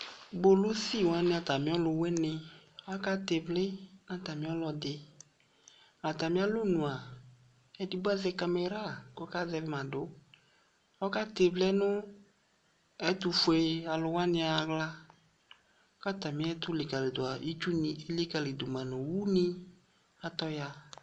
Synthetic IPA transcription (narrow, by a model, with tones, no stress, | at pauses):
bo˦lʊ˦si˦˨wa˦nɪ̃˦a˨ta˨mɪ̃˨˦ɔ˦lʊ˧wɛ˦nɪ̃˧a˦ka˦te˨vlɪ˦nã˦t̪a˨mĩ˨˦ɔ˦lɔ˧dɪ˧ | la˨t̪a˨mɪ̃˦a˦lʊ˦nũ˨a˨ | ɛ˦di˦bʊ˦a˦zɛ˧ka˧me˧ɾa˦˨kɔ˦ka˦zɛ˧vɪ˦mã˨dʊ˨˦ | ɔ˦ka˦te˨vlnʊ˦ | ɛ˦tʊ˧fʊ˨e˨a˨lʊ˧wa˦nɪ̃˧a˨ɣla˦ | ɔ˦ka˦ta˨mɪ̃˨˦ɛ˦t̪ʊ˦lɪ˨ka˨lɪ˨dʊ˨a˨i˦t͡ʃu˦nɪ˨ɪ˦le˦ka˨lɪ˨dʊ˨mã˨nʊ˨wu˦nɪ˦ | a˦t̪ɔ˦ja˧